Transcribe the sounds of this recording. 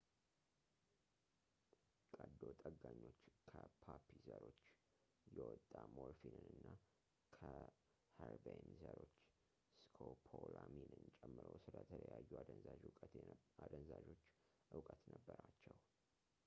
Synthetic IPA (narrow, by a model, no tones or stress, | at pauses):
kʼəd̪ot̪ʼəɡːaɲːo̞t͡ʃːkʰəpʰapʰizəɾo̞t͡ʃː | jɛwɔt̪ʼːamoɾfinɨnɨnːa | kʰə | həɾbenzəɾo̞t͡ʃː | skʰopʰolaminɨnt͡ʃʼɛmːɨɾəwsɨlət̪ʰələjajːu | ad̪ənzaʒo̞t͡ʃː | ʔɨwkʼət̪nəbːəɾat͡ʃːɛw